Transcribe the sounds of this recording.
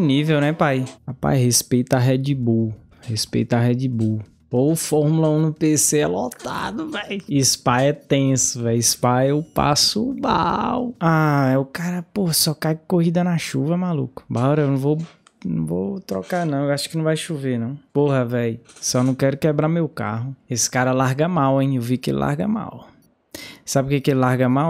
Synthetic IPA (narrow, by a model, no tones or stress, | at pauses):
nivewnɛpajapa̰jhespejt̪aɦɛd͡ʒibu | hespḛjt̪aɦɛd͡ʒibu | oʊfɔɾmulɐũnʊpeseɛlɔt̪a̰d̪ʊvɛjispaɛt̪ẽsʊvɛjispajewʊpa̰sʊba̰waɛʊkaɾɐpoɦɐsɔkajkoɦid̪ɐnaʃuvɐmalṵkʊ̥baɾɐewnɐ̃w̃vow | nɐ̰̃w̃vo̰wt̪ɾɔkanɐ̃w̃ewaʃʊ̥kɪnɐ̃w̃vajʃuvenɐ̃w̃poɦɐvɛjsɔnɐ̃w̃kɛɾʊkɛbɾamewka̰ɦʊesɪ̥kaɾɐlaɾɡɐmawẽj̃ewvikɪḛlɪ̰lʔa̰ɾɡɐma̰w | sabɪʊkekelɪlaɾɡɐmaw